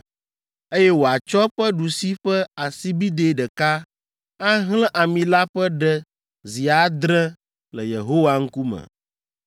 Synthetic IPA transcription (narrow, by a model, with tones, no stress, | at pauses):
e˦jɛ˦wo˨a˨t͡ʃɔ˦ɸə˦ɖu˨si˦ɸɛ˦a˨si˦bi˦d̪e˦ɖə˨ka˦ | a˦ɦlɛ̃˦ʔa˨mĩ˨la˦ɸɛ˦ɖɛ˦ | zi˨a˨d̪ɾɛ̃˦ | lə˨jḛ˨ɦo˦wa˦ŋ̩˦ku˦mə̰̃˨